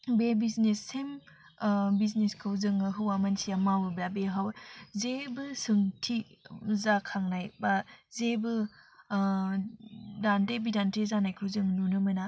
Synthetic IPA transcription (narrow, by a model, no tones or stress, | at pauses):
bebiznesːem | bizneskʰɯwzɯŋɯɦɯwamansiamawɯblabeɦawzebɯsɯŋtʰizakʰaŋnajbazebɯ | dantebidantʰezanajkʰɯwzɯŋnunɯmɐna